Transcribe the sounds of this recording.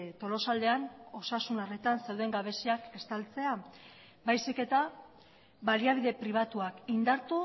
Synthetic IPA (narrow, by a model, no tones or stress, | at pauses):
t̪o̞lo̞sald̪e̞ano̞sasunaret̪ansewðe̞ŋɡaβe̞siake̞st̪alt͡se̞a | bajsike̞t̪a | βaliaβ̞iðe̞pɾiβ̞at̪uakind̪aɾt̪u